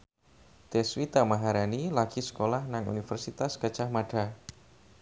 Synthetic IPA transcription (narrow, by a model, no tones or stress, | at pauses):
t̪eswit̪amaɦaɾanilaɡ̥isə̥kolahnaŋṵnifərsit̪askət͡ʃahmaɖ̥a